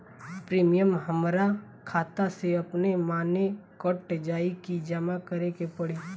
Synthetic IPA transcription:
pɾiːmijəmɦəmɾa | kʰaːt̪aseɐpnemaːnekɔʈd͡ʒaːikid͡ʒəmakəɾekepəɽeː

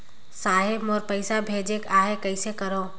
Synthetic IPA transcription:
saːɦɪbmɔːɾpəɪsabʱeːd͡ʒekaːɦekəɪsekəɾoː

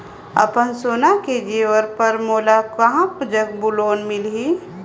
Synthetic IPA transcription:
ɐ̰pənsoːnaked͡ʒeːʋəɾpəɾmoːlakɐɦãpd͡ʒəkbuloːnmɪlɦi

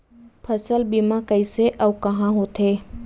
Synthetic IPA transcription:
pʰɐsəlbimãkɐiseʔɐʋkɐɦãɦot̪ʰeː

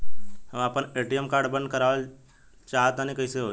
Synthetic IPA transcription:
həmapəneːʈiəmkaːɾɖbə̃nd̪̚kəɾaːʋəl | t͡ʃaːɦət̪anĩkəɪseɦoː

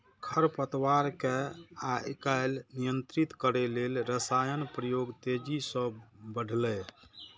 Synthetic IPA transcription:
kʰəɾpət̪waɾkeakaɪlnijənt̪ɾit̪kəɾɛlelɾəsajənpɾəjoɡt̪ed͡ʒisə̃bəɖʱlɛ

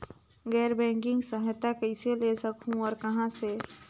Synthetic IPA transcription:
ɡɛːɾbɛ̃ːŋkɪ̃ŋɡsəɦjt̪akəɪselesəkɦũɔːɾkəɦãse

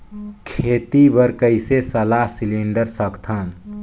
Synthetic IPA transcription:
kʰet̪ibəɾkəɪsesəlaɦsiliɳɖəɾsəkt̪ʰən

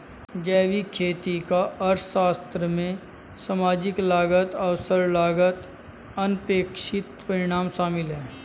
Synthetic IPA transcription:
d͡ʒɛːʋikʰeːt̪ikaʔɐɾʃaːst̪ɾəmẽ | samaːd͡ʒɪklaːɡət̪ɐʋsəɾlaːɡət̪ | ɐnpeːkʃɪt̪pɐɾɪɽ̃aːmʃaːmɪlɦɛː

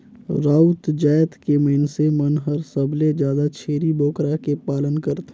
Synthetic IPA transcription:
ɾaːut̪d͡ʒaːjt̪keməɪnsemənɦɐɾsəbled͡ʒjaːd̪at͡ʃʰeːɾiboːkɾakepaːlənkəɾt̪ː

